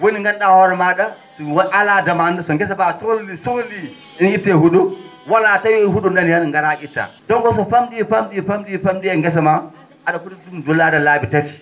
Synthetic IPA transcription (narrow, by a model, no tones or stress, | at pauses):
woniŋɡanɗawoɾamada | swʔaladamandasoŋɡɛs̬abasolisoli | initːehuɗu | walatajohuɗundananŋɡanaʔitːa̰doŋɡos̬oɸamdifamdifamdiɸamdiaŋɡɛs̬ama | adakuɗudumdolːadalabitati̥